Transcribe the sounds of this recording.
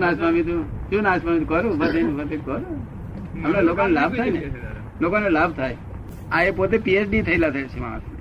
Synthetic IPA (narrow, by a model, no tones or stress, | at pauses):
nasamit̪ut͡ʃunasmamit̪ukəɾũbət̪ʰənbət̪ekəɾu | əmnelokonelab̚ʱt̪ʰajne | lokonelabʱt̪ʰaːj | aepot̪̬epiesɖit̪ʰəilat̪ʰesimã̰a̰sni